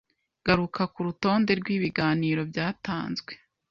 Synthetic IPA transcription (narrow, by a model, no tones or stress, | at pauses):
ɡ̥aɾukʰakuɾuto̞ːnde̞ɾɡwiːβiɡaːniːɾo̞bɟaːtaːnzɡwe̞